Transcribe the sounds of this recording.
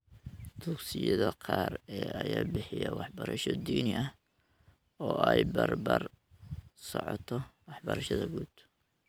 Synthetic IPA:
t̪uɡsɪjɐðɐqʰɑːrɛːɐjaːbɪħɪjɐwɑħbɐɾɐʃɔd̪iːnɪʔɐ | ɔːʔɛjbɐrbɐr | sɔʕɔt̪ʰɔwɑħbɐɾɐʃɐðɐɡuːd̪̥

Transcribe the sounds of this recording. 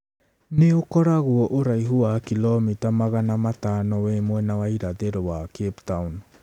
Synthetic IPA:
neokoɾaɡuoʔoɾajɦuakilomitamaɡanamatanowemoenawajɾadeɾoβakeptawn

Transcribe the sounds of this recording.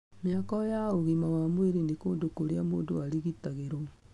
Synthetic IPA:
mjakɔjaoɣimawamweɾenekoːndokoɾeamoːndoaɾiɣitaɣeɾɔ

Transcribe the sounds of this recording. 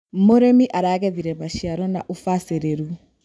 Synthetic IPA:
moɾemiʔaɾaːɣɛðiɾɛmaʃiaɾɔnaʔofaseɾeɾu

